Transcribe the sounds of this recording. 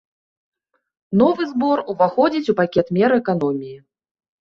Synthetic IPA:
nɔvɨzbɔruvaxɔd͡zʲit͡sʲupakʲɛt̪mʲɛɾɨɛkan̪ɔmʲiji

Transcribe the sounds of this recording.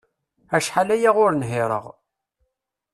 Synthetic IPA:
æʃħalæjaʁʊɾnɦɪɾˤə̰ʁ

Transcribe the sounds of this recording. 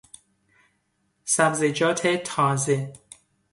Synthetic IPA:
sæbzed͡ʒɒːt̪ʰet̪ʰɒːze

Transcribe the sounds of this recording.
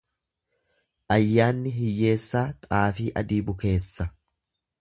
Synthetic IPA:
ʔɐjːaːnːɪɦɪjːe̞ːsːaːt̪ʼaːfiːʔɐ̰d̪iːbʊke̞ːsːɐ

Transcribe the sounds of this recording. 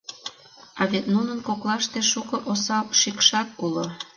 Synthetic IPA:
ɑβet̪nunənkoklɑʃt̪eʃukɤʔosɑʃikʃɑk̪̚ulo

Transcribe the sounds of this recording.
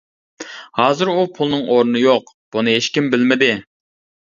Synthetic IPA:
hɑːzɨɾupʰulˠnɨŋoɾnɨjoq | b̥unɨɦeʃkʲimbɪlmɪd̪ɪ

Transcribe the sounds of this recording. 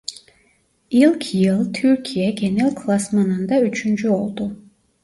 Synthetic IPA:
ilˠkʰijɨlˠt̪ʰyrkʰijaɡʲenelˠkʰlˠasmanɨnd̪ayt͡ʃʰynt͡ʃʰyolˠt̪ʼu

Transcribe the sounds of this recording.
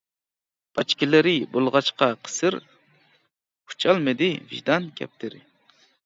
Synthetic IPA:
b̥ɑt͡ʃkʲilɪɾɪbolˠʁɑt͡ʃqɑqʰə̥sɨɾ | u̥t͡ʃʰɑlˠmɨd̪ɪvḭʒd̪ɑnkʲʰɛ̰p̚t̪ʰɪɾɪ̰

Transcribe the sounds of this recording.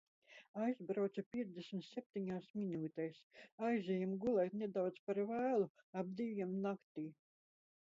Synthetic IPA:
ajzbɾawt̪supʲiɛzd̪esmʲt̪sʲep̚t̪ʲiɲaːsminuːt̪ɛjsajzʲɛjumɡulˠɛjt̪nʲed̪awt̪spaɾvæːlˠu | ab̚d̪ivʲimnakt̪iː

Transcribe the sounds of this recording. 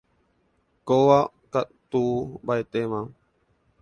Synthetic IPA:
kowa | kat̪uːbaet̪emã

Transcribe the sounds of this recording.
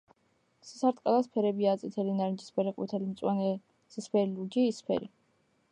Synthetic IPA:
si̥saɾt̪ʼqʼalaspʰɛɾɛbiat̪sʼit̪ʰɛlinaɾnd͡ʒispʰɛɾɛqʼṵt̪ʰɛlimt̪sʼwanɛ | sispʰɛɾilud͡ʒiːspʰɛ̰ɾḭ

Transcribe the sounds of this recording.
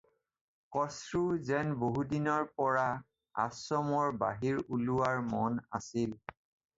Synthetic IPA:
kɔsɹuzɛnboɦudinɔɹpɔɹa | a̰sɔmɔɹba̰ɦiɹuluwaɹmɔna̰sil

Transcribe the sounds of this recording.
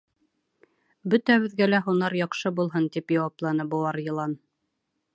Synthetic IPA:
bɵ̆t̪æβɘ̆ðɡælæɦunɑɾjɑqʃɤbulˠɦɤnt̪ipjɑwɑplˠɑnɤbuwɑɾjɤ̆lˠɑn

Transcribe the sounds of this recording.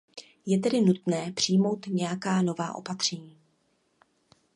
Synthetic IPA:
jɛt̪ɛdɪnut̪nɛːpr̥ɪjmo̞wt̪ɲɛjakaːno̞vaːʔo̞̰pat̪r̝̥ɛɲiː

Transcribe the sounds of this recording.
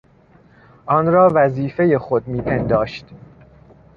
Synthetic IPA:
ʔɒnɾɒːvæziːfe̞jexo̞d̪miːpʰend̪ɒːʃt̪

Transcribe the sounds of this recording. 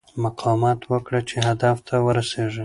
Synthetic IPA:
maqʰɑmɑt̪wəkɽat͡ʃeɦad̪aft̪ʰawəɾaseʒə

